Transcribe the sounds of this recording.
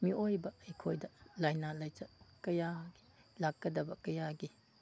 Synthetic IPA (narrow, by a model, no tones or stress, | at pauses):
miojbɐjkʰojdɐlajnalajt͡ʃɐkɐjaɡi̥lak̚ɡɐdɐbɐkɐjaɡi